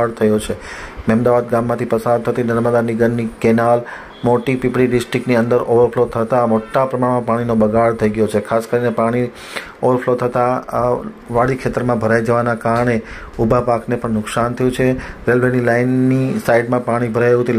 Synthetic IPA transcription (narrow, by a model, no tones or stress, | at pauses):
aɽt̪ʰəjot͡ʃʰemɛmd̪aʋad̪ɡãmːãt̪ʰipəsad̪̚t̪ʰət̪inəɾməd̪aniɡənːikenal | moʈipipɽiɖɪsʈɾɪk̚niənd̪əɾoʋəɾflot̪ʰət̪amoʈːapɾəmaɳmãpaɽ̃inobəɡʱaɭt̪ʰəiɡəjot͡ʃʰekʰaskəɾinepaɽ̃i | oʋəɾflot̪ʰət̪a | ʋaɽikʰet̪əɾmãbʱəɾaid͡ʒəʋanakaɾəɳe | ubʱapaknepəɳnʊksant̪ʰəjũt͡ʃʰeɾelʋenilanːisaiɖmãpaɽ̃ibʱəɾajɦũt̪ʰi